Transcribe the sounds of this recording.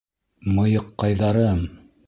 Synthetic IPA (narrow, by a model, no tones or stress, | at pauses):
mɤ̆jɤqːɑjðɑɾɤm